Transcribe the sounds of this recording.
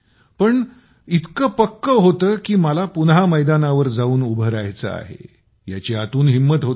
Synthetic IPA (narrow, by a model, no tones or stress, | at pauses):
pəɳ | it̪kəpəkːəɦot̪əːkiːməlapunɦaməjd̪anaʋəɾd͡zauːnubʱəɾajt͡sə̰a̰ɦḛ | ja̰t͡ɕeat̪uːnɦimːət̪ɦot̪